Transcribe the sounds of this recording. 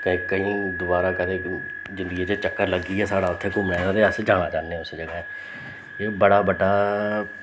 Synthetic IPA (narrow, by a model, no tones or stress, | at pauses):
kə̃ːkəĩːd̪ʊbaːɾaːkəd̪eː | d͡ʒɪ̃nd̪əɡeːd͡ʒeːt͡ʃəkːəɾləɡːiːɛːsaːɽaːʊt̪ʰːeːkʊmɽaːoːt̪eːəsd͡ʒaːɽ̃aːt͡ʃãːnːeːʊsd͡ʒəɡaːɛː | eːbəɽaːbəɖaː